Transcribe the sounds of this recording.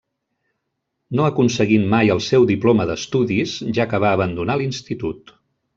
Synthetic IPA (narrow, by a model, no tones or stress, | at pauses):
noəkunsəɣimmajəlˠsɛwd̪iploməðəst̪uðizʒakəβaəβ̞ənd̪unalinst̪it̪ut̪